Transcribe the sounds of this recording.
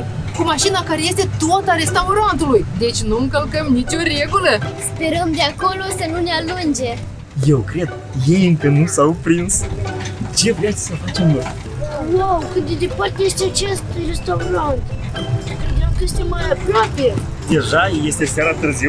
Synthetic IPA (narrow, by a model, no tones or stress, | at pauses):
kumaʃinakaɾe̞je̞st̪e̞t̪ot̪aɾe̞st̪awɾant̪ulujd̪e̞t͡ʃʲnuɨŋkəlkəmnit͡ʃʲo̞ɾe̞ɡuləspe̞ɾəmd̪eako̞lo̞sənunealund͡ʒe̞ | je̞wkɾe̞d̪ | je̞jɨŋkənusawpɾins | t͡ʃe̞vɾejat̪sʲsəfat͡ʃe̞mno̞̰j | wawkɨt̪ed̪epart̪ejest̪eat͡ʃest̪ujɾest̪aɾant̪ | t̪ɾemkɾeʃt̪imajapɾoape | d̪e̞ʒaje̞st̪e̞sjaɾat̪ɨrziw